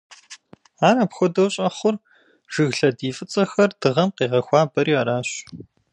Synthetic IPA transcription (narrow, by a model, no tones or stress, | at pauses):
aːɾɐpxʷɔdɐwɕʼɐχʷʊr | ʒ̥ɨɣɬɐdiːfʼɨt͡sʼɐxɐrd̥ɨʁɐmqiːʁɐxʷɑːbɐɾiːaːɾaːɕ